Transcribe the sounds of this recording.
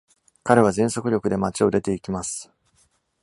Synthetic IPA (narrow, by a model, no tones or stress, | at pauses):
kaɾe̞β̞azẽ̞ɰ̃so̞kɯ̟ɾʲo̞kɯ̟d̪e̞mat͡ɕio̞d̪e̞t̪e̞ikʲimasɨ̥